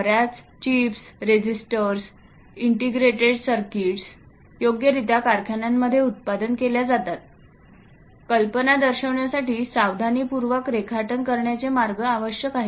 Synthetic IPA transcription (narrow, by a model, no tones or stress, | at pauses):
ɾjat͡s | t͡ɕiːfsɾed͡ʑisʈəɾs | iɳʈiɡɾeʈeɽsəɾkiʈs | joɡjəɾit̪akaɾkʰjanamːəd̪ʱːjeut̪̚pad̪ənkeljad͡zat̪at̪̚ | kəlpənad̪əɾɕəʋɳjasaʈiːsaʋd̪ʱaniːpuɾʋəkɾekʰaʈənkəɾɳjat͡semaɾɡəaʋəɕjəkaɦi